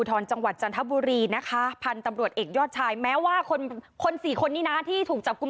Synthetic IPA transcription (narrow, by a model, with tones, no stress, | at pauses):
uː˧t̪ʰɔː˧nt͡ɕa˧ŋwa˨˩t̪̚t͡ɕa˧nt̪ʰa˦˥buː˧ɾiː˧na˦˥kʰa˦˥pʰa˧nt̪a˧mɾu˨˩ət̪ʔeː˨˩k̚jɔː˥˩t̪̚t͡ɕʰaː˧jmɛː˦˥waː˥˩kʰo˧nkʰo˧nsiː˨˩kʰo˧nːiː˦˥naː˦˥t̪ʰiː˥˩t̪ʰuː˨˩k̚t͡ɕa˨˩p̚ku˧m